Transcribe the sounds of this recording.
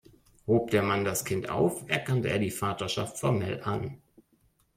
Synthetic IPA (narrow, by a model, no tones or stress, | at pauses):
hoːp̚d̥eːɐmandaskʰɪntʔa̰ʊfɛɐkʰantəʔeːɐdiːfaːtɐʃa̰ftfɔɐmɛ̰lʔa̰n